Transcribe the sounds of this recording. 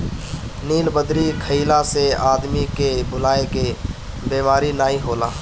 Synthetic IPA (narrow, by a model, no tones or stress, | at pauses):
niːlbəd̪ɾikʰəilaseaːd̪mikebʊlaːeke | beːmaːɾinaːɦĩɦoːla̰ː